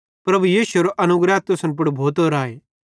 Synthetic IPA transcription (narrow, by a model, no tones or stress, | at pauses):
pɾɐbujiːʃʊeɾoʔɐnʊɡɾɛːt̪̚t̪ʊsə̃np̬ʊɽbʱoːt̪oːɾaːeː